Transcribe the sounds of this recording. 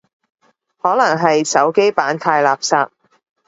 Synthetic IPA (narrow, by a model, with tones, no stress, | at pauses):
hɔː˨˥lɐ˨˩ŋɦɐ˨jsɐ˨˥wke˥jpaː˨˥nt̪ʰaː˧jlaː˨˩p̚saː˧p̚